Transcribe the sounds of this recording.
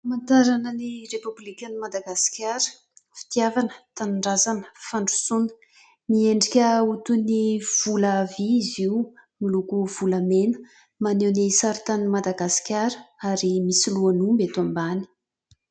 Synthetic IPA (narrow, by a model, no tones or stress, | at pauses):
mant̪aɾanənirepublikʲanimad̪aɡasi̥kʲaɾə̥ | fi̥t̪iavanə̥t̪anuɳɖ͡ʐazanə̥faɳɖ͡ʐu̥sunə̥ | nieɳɖ͡ʐikʲəut̪univ̥uləviiziwmilukuv̥uləmenə̥ | manewnisaɾit̪animad̪aɡasi̥kʲaɾəaɾimisiluanumbet̪uambani̥